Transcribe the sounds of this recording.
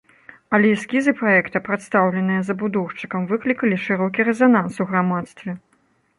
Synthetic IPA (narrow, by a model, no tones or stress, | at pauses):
ɐlʲɛjskʲizɨpɾaɛkt̪ɐpɾat̪st̪awlʲɛnɨjɐzɐbud̪ɔwʂt͡ʂɨ̥kɐmvɨklʲikɐlʲiʂɨɾɔkʲiɾɛzanansuɣɾamat̪st̪vʲɛ